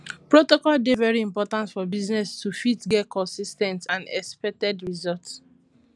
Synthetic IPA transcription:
pɹotɔkɔldevɛɹiĩmpɔtãntfɔbiznɛstufitɡɛtkʰɔ̃nsistɛ̃ntãnɛkspɛk̚tɛdɹizɔlt

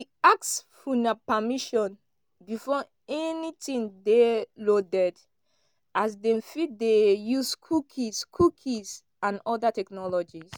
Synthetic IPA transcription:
diaksfunapamiʃɔ̃n | bifɔ | ɛnitĩŋdelodɛd | ʔas̬dɛ̃mfit̚dejuskʰukʰiskʰukʰis | ãnɔdatɛknɔlɔd͡ʒis

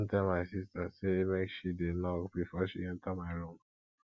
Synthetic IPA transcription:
ntɛlmaɪsistasemekʃidenɔkbifɔʃiɛ̃ntamaɪɹõm

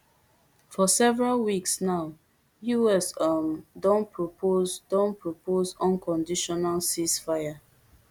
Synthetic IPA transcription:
fɔsɛvɛɹalwiksnaʊ | juɛsamdɔ̃npɹopozdɔ̃npʰɹopozɔ̃nkɔ̃ndiʃɔnalsisfaja

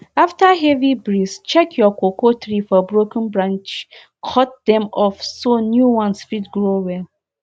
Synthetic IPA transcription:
aftaɦɛvibɹist͡ʃɛkʰjɔkokʰotɹifɔbɹokə̃nbɹãnt͡ʃ | kʰɔt̚dɛ̃mɔfsonjuwãnsfitɡɹowɛl

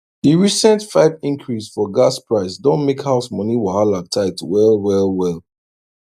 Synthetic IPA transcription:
hiɹisɛ̃ntfaɪvĩŋkʰɹisfɔɡaspɹaɪsdɔ̃nmekhaʊsmɔniwɔhalak̚tʰaɪtwɛlwɛlwɛl

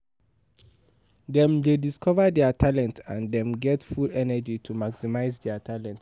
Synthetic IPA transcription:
dɛ̃mdediskɔvədɛatʰalɛ̃ntãndɛ̃mɡɛtfulɛnəd͡ʒitʰumaksimaɪzdɛatʰalɛ̃nt

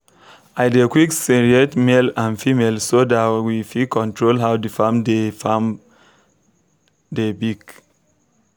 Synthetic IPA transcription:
ajdekwiksiɹiɛtmelãnfimelsodatwifikɔ̃ntʰɹolɦawdufãmdefam | debiɡ

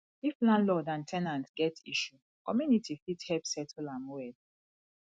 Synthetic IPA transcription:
iflãnlɔdãntʰɛnãntɡɛtiʃu | kɔmjunitifithɛpsɛtʰɔlãnwɛl

